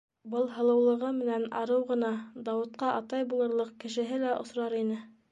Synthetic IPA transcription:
bɤlˠɦɤ̆lˠɤ̆wlˠɤ̆ʁɤmɘ̆nænɑ̰ɾɤwʁɤ̆nɑd̪ɑwɤ̆t̪̚qɑʔɑt̪ɑjbulˠɤ̆ɾlˠɤq̚kɘ̆ʃɘ̆ɦɘlæʔŏ̰sɾɑɾinɘ

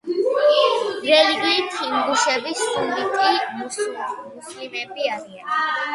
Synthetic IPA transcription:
ɾɛliɡlit̪ʰiŋɡuʃɛbisumlit̪ʰimummuslimɛbiaɾia̰n

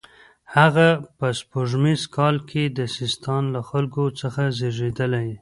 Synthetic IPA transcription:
haɣapəspoʐmizkɑlkʰed̪əsɪst̪ɑnlaxalkot͡səxazeʐed̪əlaj

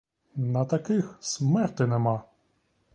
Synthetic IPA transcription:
nɐt̪ɐkɪxsmɛrt̪ɪnɛmɑ

